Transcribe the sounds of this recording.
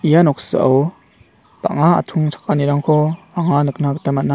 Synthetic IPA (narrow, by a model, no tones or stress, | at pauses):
ʔijanɔk̚sɯʔɐ̰w | pa̰ʔŋaa̰t̪ʰuŋt͡sʰḁkːaniɾaŋkʰɔ | aŋanɯk̚nakət̪amana